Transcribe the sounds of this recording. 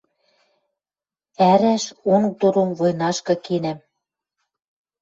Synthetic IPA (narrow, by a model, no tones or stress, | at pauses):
æɾæʃonk̚t̪oɾomvojnɑʃkɤ̆kenæm